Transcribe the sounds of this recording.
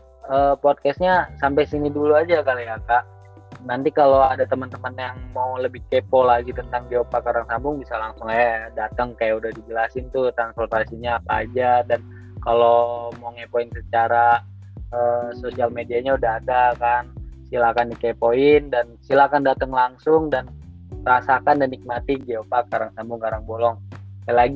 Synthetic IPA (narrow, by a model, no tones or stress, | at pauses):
ʔəːpɔd̚kɛst̪̚ɲasampajsiniduluad͡ʒakalijakaʔ | nant̪ikaloadat̪əmənt̪əmənjaŋmauləbɪhkepolaɡit̪ənt̪aŋd͡ʒiopakaɾaŋsambʊŋbisalaŋsʊŋajadat̪əŋkajaʔudahdid͡ʒəlasɪnt̪ut̪ɾanspɔrt̪asiɲaːpa̰ːd͡ʒadan | kalomoŋepoinsət͡ʃaɾa | əsosialmediaɲaudaɦadakansilakandikepoɪndansilakandat̪əŋlaŋsʊŋdan | rasakandanik̚mat̪iɡeopakaɾaŋsambʊŋkaɾaŋbolɔŋkalaɡi